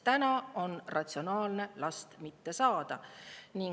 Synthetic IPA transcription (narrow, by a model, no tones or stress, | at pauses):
t̪ænɑo̞nrɑt̪sio̞nɑːlne̞lɑst̪mit̪ːe̞sɑːd̪̥ɑniŋ